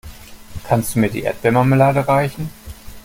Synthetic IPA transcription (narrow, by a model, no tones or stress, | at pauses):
kʰanstd̥uːmiːɐdḭʔḛɐt̚b̥ɛɐmaməlaːdəʁaɪçn̩